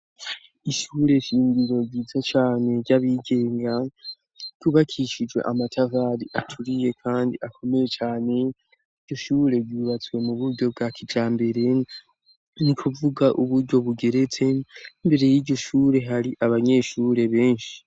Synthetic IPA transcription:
iʃuːɾe̞ʃiːɲɡiɾo̞ɟiːzet͡ʃaːne̞ɟaβiɡe̞ːŋɡa | ɟ̥uːβakʰiʃid͡ʒɡwe̞̰ʔamatʰavaːɾiʔatʰuɾije̞kʰaːndiʔakʰo̞me̞je̞t͡ʃaːne̞ | i̥ɟo̞ʃuɾe̞ɾɟuːβat͡swe̞muβuɾɟo̞b̚ɡakʰid͡ʒaːmbe̞ɾe̞ | nikʰuvuɡaʔuβuɾɟo̞βuɡe̞ɾe̞t͡se̞imbe̞ɾe̞jiːɟo̞ʃuːɾe̞ɦaɾiʔaβaɲe̞ːʃuːɾe̞βe̞ːnʃi̥

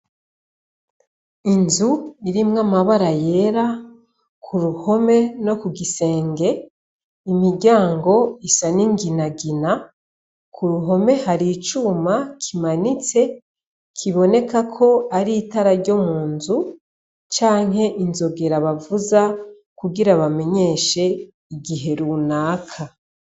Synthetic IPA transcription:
inzuiɾimŋamaβaɾaje̞ɾa | kʰuɾuho̞me̞no̞kuɡise̞ːŋɡe̞ | imiɾɟaːŋɡo̞isaniŋɡinaɡina | kʰuɾuɦo̞me̞haɾiːt͡ʃuːmakʰimanit͡se̞ | kʰiβo̞ne̞kakʰo̞aɾiːtaɾaɾɟo̞muːnzu | t͡ʃaːŋɦe̞ʔinzo̞ɡe̞ɾaβavuza | kuɡiɾaβame̞ɲe̞ʃe̞ | iɡiɦe̞ɾunaːkʰa

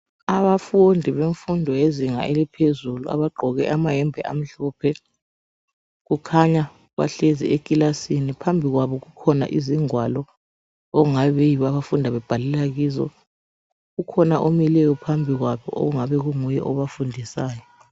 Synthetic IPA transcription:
aβafundʱiβeɱfundʱɔjeziŋa̰elipʰezulua̰βaɡ͡ǃʱɔɣɛʔamaɦɛmbʱɛʔa̰m̩ɬuːpʰɛ | ɣukʰaɲa | βa̰ɬezḭekʼilasinipʰambʱiɣwaβɔɣukʰɔna̰ʔiziŋwalɔ | oɣuŋaβɛβejiβaβafundʱaβɛb̥ʱalɛlaɣiːzɔ̰ | ɣukʰɔnaʔomilɛjɔpʰambʱiɣwaβɔ̰ʔo̰ɣuŋaβɛɣuŋujɛ̰ʔɔβafundʱisaːjɔ

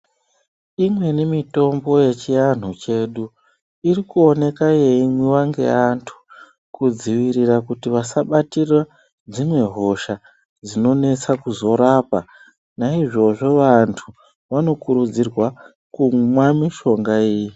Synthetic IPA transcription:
imwe̞nemito̞mbo̞je̞t͡ʃijan̤ut͡ʃe̞ːɗu | irikuone̞kaje̞imwiwaŋɡe̞̰antʰu̥ | kud͡ziʋiɾirakutiʋasaɓatira | d͡zimwe̞ɦo̞ʃa | d͡zino̞ne̞t͡sakuzo̞ɾapa | naiʐo̞ʐo̞ʋantʰu | ʋano̞kuɾud͡zirwa | kumwamiʃo̞ŋɡaiːji

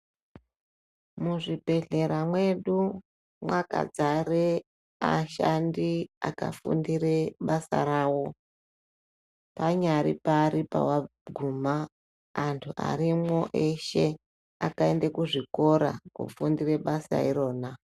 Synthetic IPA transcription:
muʐibʱe̞ɮe̞ɾamwe̞ɗu | mwaka̰d͡zaɾe | a̰ʃandiaka̰fṵndireɓasa̰ɾaːwo̞ | paɲaɾḭpaɾipa̰waɡʱumaː | ntʰuʔa̰ɾimoʔeʃe̞ | akaendekuʐiko̞ɾa̰kṵfundire̞ɓasa̰iɾo̞ːna

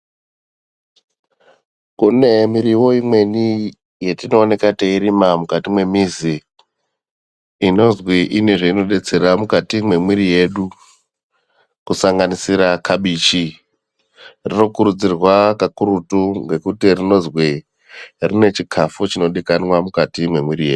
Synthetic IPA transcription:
kune̞miɾiwo̞imwe̞ni | jetino̞ːne̞kateiɾimamukatimwe̞mizi | ino̞zwiʔine̞ʐeino̞ɗe̞t͡se̞ɾamukatimwe̞mwiɾije̞ɗu | kusaŋɡanisiɾakʰaɓiːt͡ʃi | rino̞kuɾud͡zirwakakuɾutuŋɡe̞kutirino̞zwi | rine̞t͡ʃikʰafut͡ʃino̞ɗikanwamukatimwe̞mwiɾije̞ːɗu

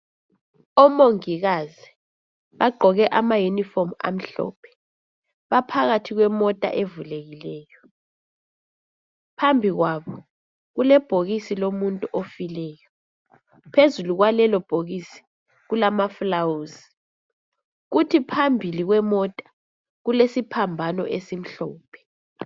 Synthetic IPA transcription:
ɔmoŋiɣazi | βaɡ͡ǃʱɔɣɛʔamajunifoma̰m̩ɬɔ̰ːpʰɛ̥ | βapʰaɣatʰiɣwɛmɔtʼa̰ʔevuleɣilɛːjɔ | pʰambʱiɣwaβɔ | ɣulɛb̥ʱoɣisilomuntʼuʔofilɛːjɔ | pʰezuluɣwalɛlɔb̥ʱoɣisi̥ | ɣulamaflawuzi | ɣutʰipʰambʱiliɣwɛmɔtʼḁ | ɣulesipʰambʱanɔ̰ʔesim̩ɬɔːpʰɛ̥

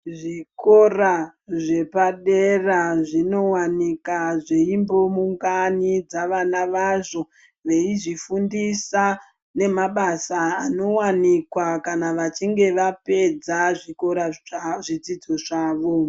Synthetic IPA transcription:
ʐiko̞raʐe̞paɗeraʐino̞wanikaʐeimbo̞muŋɡanid͡zaʋanaʋaʐo̞ | ʋe̞iʐifundisa | ne̞maɓasaːno̞wanikwakanaʋat͡ʃiŋɡe̞ʋape̞d͡zaʐiko̞ɾaʐid͡zid͡zoʐaːʋo̞

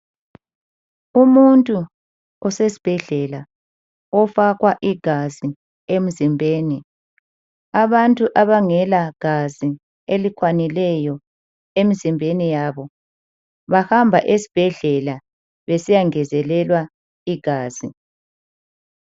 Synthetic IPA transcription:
umuntʼu | ɔsesi̥b̥ʱɛɮɛla | ɔfakwaʔiɡ̥ʱazi | emizimbʱeːni | aβantʼuʔaβaŋɛlaɡ̥ʱazi | elikʰwanilɛjɔ | emizimbʱenijaβɔ | βahambʱaʔesi̥b̥ʱɛɮɛla | βesijaŋɛzɛlɛlwa | iɡ̥ʱaːz̥ḭ

